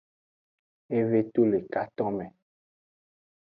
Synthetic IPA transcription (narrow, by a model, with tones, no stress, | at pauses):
e˦ve˦t̪o˦le˨ka˦t̪ɔ̃˦mɛ̃˨